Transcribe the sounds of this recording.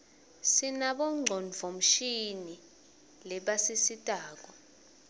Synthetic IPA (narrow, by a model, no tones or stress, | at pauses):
sinaɓɔŋ͡ǀʱɔnvʱom̩ʃini | lɛɓasisitʼaːk̬ɔ